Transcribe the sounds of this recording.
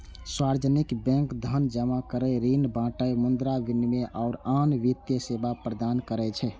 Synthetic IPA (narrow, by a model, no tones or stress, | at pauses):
swaɾd͡ʒənikbɛ̃ŋkd̪ʱənd͡ʒəmakəɾɛɾinbãʈəjmund̪ɾabinmeʔʔaʊɾanʋit̪jəsebapɾəd̪ankəɾɛt͡ʃʰɛ